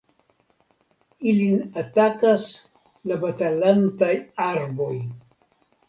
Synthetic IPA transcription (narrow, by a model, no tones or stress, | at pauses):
ilinatakas | labatalantajaɾbo̞j